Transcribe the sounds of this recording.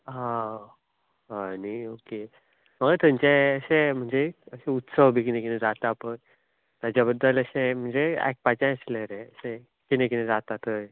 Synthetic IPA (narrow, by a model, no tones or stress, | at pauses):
ɦã | ənioke | məɡat̪əɲt͡ɕeəɕem̤əɳd͡zeəɕẽut̪səʋbʱikinẽkinẽd͡zat̪apəɳ | t̪ad͡ʑabəd̪ːələɕẽm̤əɳd͡zeɛ̰k̚pat͡ɕãəsleɾeəɕẽ | kinẽkinẽd͡zat̪at̪əj